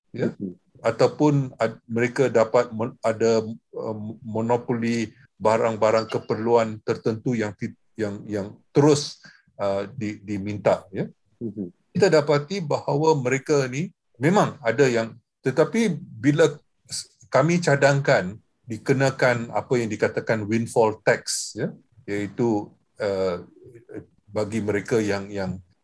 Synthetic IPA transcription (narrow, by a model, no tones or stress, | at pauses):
ja | at̪awpʊnaməɾekadapat̪̚madaəmonopoli | baɾaŋbaɾaŋkəpərluant̪ərt̪ənt̪ujaŋt̪i | jaŋjaŋt̪əɾʊs | ədidimint̪aʔja | kit̪adapat̪ibahawamə̃ɾekaini | mẽmãŋadajaŋ | t̪ət̪apibila | kamĩt͡ʃadaŋkan | dikənakana̰pajaŋdikat̪akanwinfɔlt̪ɛksja | jait̪u | ə | baɡimə̃ɾekajaŋjaŋ